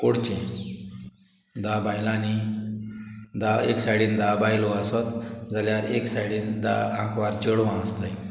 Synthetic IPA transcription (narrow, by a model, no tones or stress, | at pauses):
koɽt͡ɕẽ | d̪abajlãni | d̪aeksaɽiːnd̪abajloəsɔt̪d͡zaljaɾeksaɽiːnd̪aãkʋaɾt͡ɕəɽʋãəst̪aj